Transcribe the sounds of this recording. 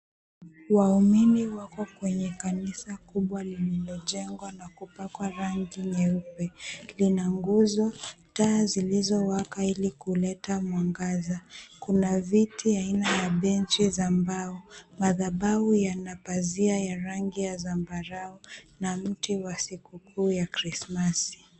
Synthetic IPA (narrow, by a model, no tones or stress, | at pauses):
wauminiwakɔkwɛɲɛkanisakuɓwalililɔʄɛŋɡwanakupakwaɾaŋɡiɲɛupɛlinaŋɡuzɔtaːzilizɔwakailikulɛtamwaŋɡazakunavitiainajaɓɛnt͡ʃizambaɔmaðaɓaujanapaziajaɾaŋɡijazambaɾaɔnam̩tiwasikukʰuːjakɾismasi̥